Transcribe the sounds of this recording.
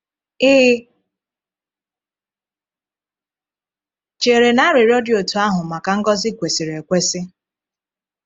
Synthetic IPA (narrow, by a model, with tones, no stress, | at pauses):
ɪ˦ | t͡ʃe˨ɾe˨na˦ɾe˨ɾjɔ˦djo˨tu˨˦a˦ɦʊ˨ma˨ka˨ŋ̩˦ɡɔ˦zɪ˦kʷe˨si˨ɾe˨kʷe˦sɪ˦